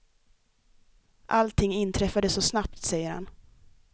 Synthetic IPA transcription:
ʔalt̪ʰɪŋːɪnt̪ʰɾɛfad̪əsːɔsnapt̪sɛjːəɾha̰n

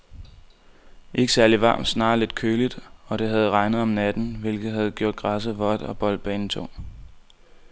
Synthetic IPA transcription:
ʔe̝ɡ̥əsæɐliʋɑ̰̈ːm̥snɑ̰̈ːle̝d̥̚kʰøːlid̥ɒ̽ɾ̥e̝ɦæð̞̩ˠʁɑ̈ɪnəð̞̩ˠɒ̽mnæd̥n̩ʋe̝lɡ̥ð̩ˠhæð̞̩ˠɡ̥jo̝ɐ̰d̥̚ɡ̥ʁɑs̬əʋɒ̽d̥ɒ̽b̥ɒ̽l̰d̥̚b̥ɛːnət͡sʰɔ̰ŋ

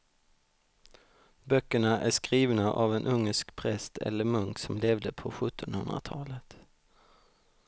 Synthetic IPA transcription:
bœkːəɳaʔæʂkɾiːvnaʔavɛnʔɵŋːəʂkpʰɾɛst̪ʰɛ̰lːəɾmɵŋksɔmleːvd̪əpʰɔɧɵt̪ʰːɔnhɵnd̪ɾa̰t̪ʰɑːlət̪

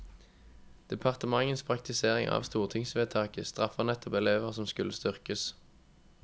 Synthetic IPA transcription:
d̪̥ɛpʰɑʁt̪əmɑŋənspʰʁɑk̚t̪ɪseːʁɪŋɑ̰ːʋst̪uːʁt̪ʰɪŋsʋeːt̪ʰɑːkəst̪ʁɑfɑʁnɛt̪ʰɔpɛleːʋəʁsɔmskʉlːəst̪ʏʁkəs

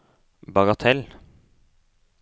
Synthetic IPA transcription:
bɑɡɑt̪ʰɛl

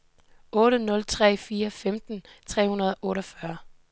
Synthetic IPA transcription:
ɔ̽ːɾənɔ̽lt͡sʰʁɛ̰ːfiːɐfemd̥n̩ | t͡sʰʁɛ̰ːhunɐð̞ˠʔɔ̽ːɾɒfɶɐ

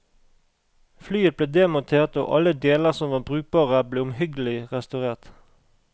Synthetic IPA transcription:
flyːət̪̚b̥leːd̪eːmʊnt̪ʰeːʁt̪o̰ːʔɑləd̪eːləʁsɔmʋɑːbʁʉːk̚bɑːʁəbleːʊmhʏɡəl̩ɪʁɛst̪ɑʉʁeːʁt̪

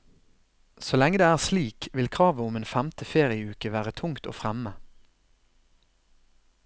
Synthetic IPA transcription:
solɛŋəd̪eːæːʁsliːkʋɪlkʰʁɑːʋəʊmeːnfɛmt̪ʰəfeːʁɪəʉːkəʋæːʁət̪ʰʊŋkt̪o̰ːfʁɛmə

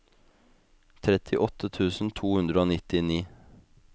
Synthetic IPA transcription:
t̪ʰɾɛt̪ʰɪʔɔt̪ət̪ʰʉːsn̩t̪ʰuːhʉnd̪ɾəoːnɪt̪ɪniː

